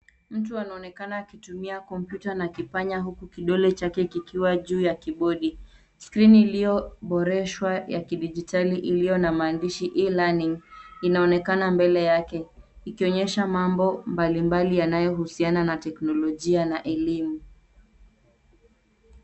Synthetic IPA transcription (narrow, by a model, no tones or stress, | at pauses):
m̩tuanaɔnɛkanaːkitumiakɔm̩pjutanakipaɲaɦukukiɗɔlɛt͡ʃakɛkikʰiwaʄuːjakiɓɔɗi | skɾinilijɔɓɔɾɛʃwajakiɗid͡ʒitʰaliʔilijɔnamaːndiʃiʔilaniŋinaɔnɛkanambɛlɛjakɛ | ikiɔɲɛʃamambɔmbalimbalijanajɔɦusiananatɛknɔlɔʄianaʔɛlimu